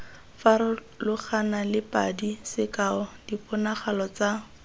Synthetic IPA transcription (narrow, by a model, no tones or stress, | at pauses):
faɾʊ | lʊk͡xʰanalɪpa̰disɪkaɔd̥ipʊnaχalɔt͡sa